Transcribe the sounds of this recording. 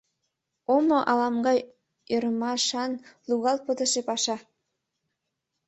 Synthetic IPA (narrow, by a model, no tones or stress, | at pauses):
omoʔɑlɑmɡɑj | øɾmɑʃɑnluɣɑlt̪̚pət̪ə̆ʃepɑʃɑ